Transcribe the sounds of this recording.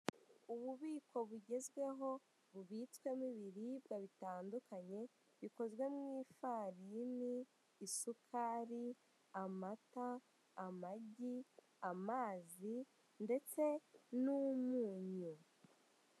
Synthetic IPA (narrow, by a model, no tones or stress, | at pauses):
uβuβiːko̞βuɟe̞zɡwe̞ɦo̞ | βuβitkwe̞miβiɾibɡaβitaːndukaɲe̞ | βiko̞zɡwe̞mŋiːfaːɾiniː | sukʰaːɾi | amataː | maɟi | amaːzi | nde̞t͡se̞numuːɲu